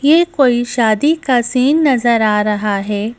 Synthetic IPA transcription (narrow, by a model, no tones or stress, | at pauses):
jeːkoːiʃaːd̪ikasiːnːɐzəɾaːɾɐɦaɦɛː